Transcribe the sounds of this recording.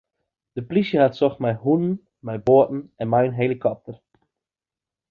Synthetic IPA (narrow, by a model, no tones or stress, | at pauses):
d̥əplisjəhatsɔxtmɛjɦunən | mɛjboətn̩ɛnmɛjənɦelikʰɔp̚tər